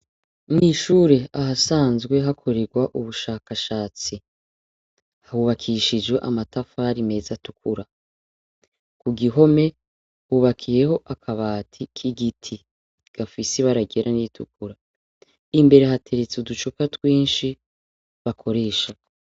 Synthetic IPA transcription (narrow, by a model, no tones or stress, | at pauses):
mŋiʃuːɾe̞aɦasaːnzɡwe̞ɦakʰo̞ɾeɡwaʔuβuʃaːkaʃaːt͡si | hahuβakʰiʃid͡ʒɡwe̞ʔamatafaɾime̞zatukʰuɾa | kuɡiɦo̞me̞ | huβakʰijeho̞ʔakʰaβaːtʰikʰiɡitʰi | ɡ̥afiseβaɾaɡeɾʔanitʰuk̚uɾa | imbe̞ɾe̞hatʰe̞ɾet͡seudut͡ʃukatwiːnʃi | βakʰo̞ɾe̞ːʃa